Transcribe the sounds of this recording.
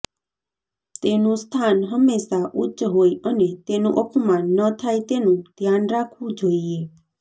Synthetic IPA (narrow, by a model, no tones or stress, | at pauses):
t̪enũst̪ʰanɦəmːeʃaʔutːʃɦojənet̪enũʔəpmanːət̪ʰajt̪enũd̪ʱjanɾakʰʋũd͡ʒoie